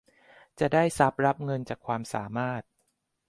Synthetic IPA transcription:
t͡ɕa˨˩ʔdaː˥˩jsa˦˥p̚ɾa˦˥p̚ŋɤ˧nt͡ɕaː˨˩kʰwaː˧msaː˩˦maː˥˩t̪̚

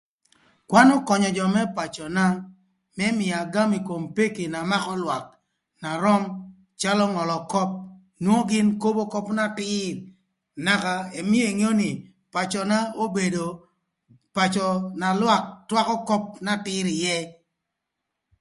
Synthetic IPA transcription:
kwa˦nɔ˦kɔ˨ɲɔ˨d͡ʒɔ˨mɛ˦pa˨t͡ʃɔ˨na˦ | mɛ˦mɪ˨a˨ɡa˦mi˨ko˨mpe˦ke˨na˨ma˦kɔ˦lwa˨k̚ | na˨ɾɔ˦m | t͡ʃa˦lɔ˦ŋɔ˨lɔ˨kɔ˦p̚ | nwo˦ɡɪ˦nko˦bo˦kɔ˦pna˦tɪ˦ɾ | na˨ka˨e˨mi˦e˨ŋo˦ni˨ | pa˨t͡ʃɔ˨na˦o˦be˨do˨ | pa˨t͡ʃɔ˨na˨lwa˦k̚twa˦kɔ˦kɔ˦p̚na˦tɪ˦ɾɪ˨jɛ˦

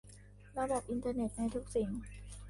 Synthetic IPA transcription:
ɾa˧da˨˩p̚ʔi˧nt̪ʰaː˧ne˨˩t̪̚na˧jt̪ʰu˦˥k̚si˩˦ŋ

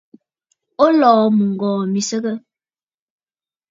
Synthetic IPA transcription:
o˦lɔː˨mu˨ŋ̩˨ɡɔː˨mi˨sə˦ɣə˦

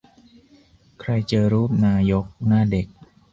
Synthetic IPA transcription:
kʰɾa˧jt͡ɕɤː˧ɾuː˥˩p̚naː˧jo˦˥k̚naː˥˩de˨˩k̚

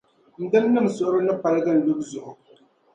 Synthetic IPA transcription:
n̩˨dɨ˦m˦nɨ˦m̩˨sʊ˨ʔʊ˦ɾɨ˦nɨ˦pa˦ɾɨ˦ɡɨ˦n̩˨lu˦bzʊ˨ʔʊ˨

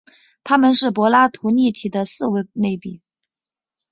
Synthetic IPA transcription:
t̪ʰa˥mə˨nʂɻ̩˥˩pwɔ˧˥la˥t̪ʰu˧˥ni˥˩t̪ʰi˨˩d̪ə˦sɹ̩˥˩we˧˥ne˥˩ɪpi˨˩˦

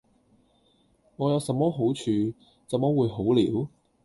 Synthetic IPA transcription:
ŋɔː˨˧jɐ˨˧wsɐ˨mɔː˥ɦo˨˥wt͡ʃʰyː˨˧ | sɐ˨mɔː˥wuː˨˧jɦo˨˥wliː˨˥w

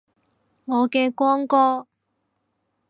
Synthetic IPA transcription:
ŋɔː˨˧kɛː˧kʷwɔː˥ŋkɔː˥

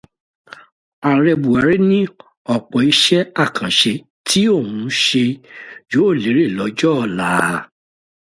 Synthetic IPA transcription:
a˨ɾɛ˧bu˨a˨ɾe˦nĩ˦ | ɔ˦˨k͡pɔ˨i˧ʃɛ˦a˦˨kʰã˨ʃe˧ | tʰi˦o˦˨hũ˨˦ʃe˧jo˨˦o˦˨le˨˦ɾe˦˨lɔ˨˦d͡ʒɔ˦˧˨la˨˦

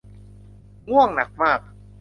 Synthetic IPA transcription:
ŋu˥˩əŋna˨˩˦k̚maː˥˩k̚

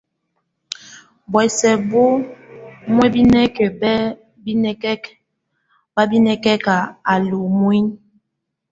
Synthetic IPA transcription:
bwɛ˨sɛ˨bo˦ | mwe˦bi˦nɛ˦ke˨bɛ˦ | bi˦nɛ˦kɛ˦k | ba˦bi˦nɛ˦kɛ˦ka˨a˨lu˨mwi˦n

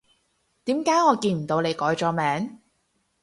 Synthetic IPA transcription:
t̪iː˨˥mkaː˨˥jŋɔː˨˧kiː˧nm̩˨˩t̪o˨˧wle˨˧jkɔː˨˥jt͡ʃɔː˨˧mɛː˨˥ŋ

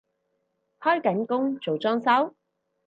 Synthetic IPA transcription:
hɔː˥jkɐ˨˥nkʊ˥ŋt͡so˨wt͡sɔː˥ŋsɐ˥w

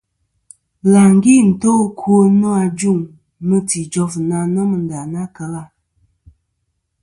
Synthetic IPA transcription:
la˨ŋ˦ɡi˦˨n̩˨to˦kʰo˦nɔ˦a˧d͡ʒu˦˨ŋ | mɨ˦ti˨d͡ʒɔ˦fna˦nə˦mɨ˨n̩˨da˨na˦kə˨la˦˨

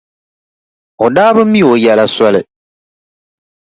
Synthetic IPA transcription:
o˨daː˦bɨ˦mː˦i˦˨o˨jɛ˨la˦sɔ˦lɨ˨

